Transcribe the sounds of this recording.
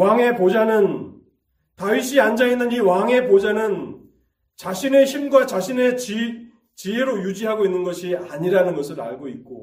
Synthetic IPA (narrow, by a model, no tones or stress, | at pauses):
waŋe̞pod͡ʑanɯn | taɥiɕʰiand͡ʑainːɯniwaŋe̞pod͡ʑanɯn | t͡ɕaɕʰine̞çʰimɡwat͡ɕaɕʰine̞t͡ɕ | t͡ɕieɾojud͡ʑiɦaɡoinːɯnɡʌɕʰiaɲiɾanɯnɡʌsʰɯɾa̰ɭɡoit̚k͈o